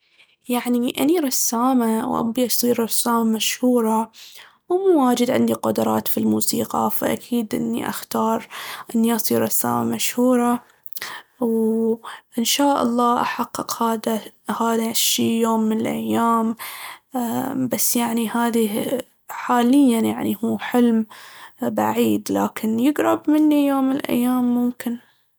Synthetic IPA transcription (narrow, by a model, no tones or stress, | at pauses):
jaʕniʔa̰niɾˤɑsːaːmawʔa̰bbiʔɑsˤiːɾɾˤɑsːaːmamaʃhuːɾˤɑ | wmuːwaːd͡ʒɪd̪ʕɪ̰nd̪iqʊd̪ʊɾˤɑ̰ːt̪filmuːsiːqɑ̰fa̰ʔa̰kʰiːd̪ʔɪ̰nːḭʔa̰xt̪ɑːɾˤʔɪnːiʔɑsˤiːɾˤɾˤɑsːa̰ːma̰maʃhuːɾˤɑ | w | ʔɪnʃaːʔɑ̰lˤːɑːʔaħɑqːɨqhaːðahaːðaʃːiːjoːmːɪnɪlʔajːaːm | basːjaʕnihaːði | ħaːlɪjːanjaʕnihuːħɪlm | ba̰ʕiːd̪laːkʰɪnjɪɡɾˤɑbmɪnːijoːmːlʔa̰jːaːmːʊmkɪn